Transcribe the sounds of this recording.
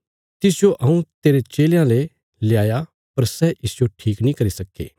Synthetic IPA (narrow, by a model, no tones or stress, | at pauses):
t̪ɪsɪjoʔɐũt̪eːɾet͡ʃeːljãle | lɪjaːja | pɐɾsɛʔɪsɪjoʈʰiːknĩkɐɾisɐkːḛː